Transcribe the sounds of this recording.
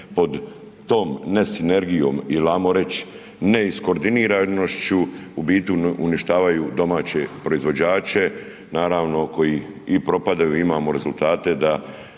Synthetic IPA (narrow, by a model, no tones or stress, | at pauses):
po̞d̪ː | o̞ːmne̞sine̞ɾɡijo̞ːmilaːmoɾe̞t͡ɕ | ne̞isko̞ɾd̪iniːɾanoʃt͡ʃuubiːt̪uuniʃt̪aːʋajud̪o̞maːt͡ɕe̞pɾo̞izʋo̞d͡ʑaːt͡ʃe̞ | naːɾaːʋno̞ko̞jiipɾo̞pad̪ajuimaːmoɾe̞zult̪aːt̪e̞d̪a